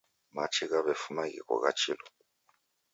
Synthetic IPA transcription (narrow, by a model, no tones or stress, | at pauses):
mat͡ʃʰiɣaβɛfumaɣḭkɔ̰ɣat͡ʃʰilɔ